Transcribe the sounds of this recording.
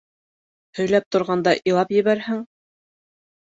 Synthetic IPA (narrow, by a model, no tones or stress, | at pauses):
hɵ̆jlæp̚t̪ŏɾʁɑnd̪ɑʔilˠɑpjɘ̆βæɾhɘŋ